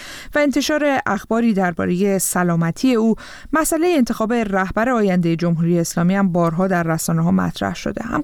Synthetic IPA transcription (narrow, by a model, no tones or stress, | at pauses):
væe̞nt̪ʰe̞ʃɒːɾe̞ʔæxb̥ɒːɾiːd̪æɾbɒ̰ːɾe̞je̞sælɒːmæt̪ʰiːe̞uː | mæsʔæle̞jeːnt̪ʰexɒːbe̞ræhbæɾeɒːjænd̪e̞je̞d͡ʒo̞mɦuːɾije̞ːslɒːmiːhæmbɒːɾɦɒːd̪æɾːæsɒːneɦɒːmæ̰t̪ʰɾæ̰hʃo̰d̪e̞hæ̰m